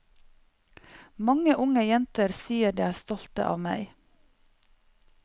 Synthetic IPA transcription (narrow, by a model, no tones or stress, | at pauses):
mɑŋəʔʊŋəjɛnt̪əɾsiːəɖ̪iːæːst̪ɔlt̪ə̰ʔɑ̰ːʋmæɪ